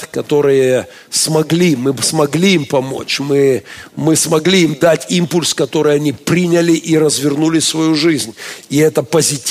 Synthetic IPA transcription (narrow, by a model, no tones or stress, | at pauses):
kɐt̪o̞ɾɨjə | smɐɡlʲimɨsmɐɡlʲiimpɐmo̞̰t͡ɕmɨmɨsmɐɡlʲiimd̪atʲimpʊlʲskɐt̪o̞ɾɨjɐnʲipɾʲinʲəlʲɪʔiɾəzvʲɪrnulʲɪsvɐjuʐɨzʲnʲɪɛt̪əpəzʲɪtʲ